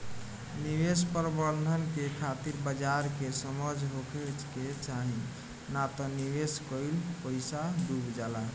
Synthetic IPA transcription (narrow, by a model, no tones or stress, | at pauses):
niʋespəɾbəɾd̪ʱənkekʰat̪iɾbəd͡ʒaɾkesəməd͡ʒɦokʰət͡ʃket͡ʃaɦin | nat̪ɔniʋeskəjlpəɪsad̪ubd͡ʒala